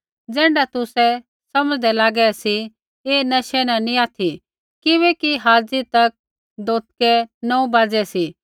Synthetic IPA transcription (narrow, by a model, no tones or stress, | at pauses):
d͡zɛ̃ːɳɖat̪ʊsɛ | sɐməd͡zd̪ɛlaːɡɛsi | eːnɐʃɛnanĩaːt̪ʰi | kɪβɛkiɦaːd͡zit̪ɐk̚ | d̪oːt̪̚kɛnɔ̃ũbaːd͡zɛsi